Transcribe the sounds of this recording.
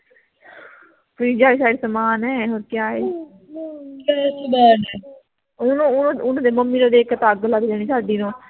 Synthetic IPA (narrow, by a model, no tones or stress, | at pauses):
pɾiːd͡ʒaːiːsaːɖesəmaːnɦɛːɦoːɾkɪjaːe | bɛsbɛːʈː | ʊnõːʊnõːʊnõːd̪eməmːiːnõːd̪eːkət̪aːɡlaːɡd̪eːɽ̃iːsaːɖiːnõː